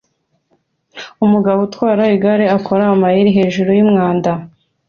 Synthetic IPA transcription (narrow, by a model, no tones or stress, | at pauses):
umuɡaβutwaːɾaiɡaɾeakʰo̞ɾamajiɾiɦe̞ːʒuɾojimŋaːnda